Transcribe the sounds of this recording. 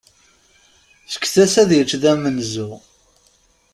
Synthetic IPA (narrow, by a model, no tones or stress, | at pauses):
θə̥kːθæsæðjət͡ʃðæmənzʊ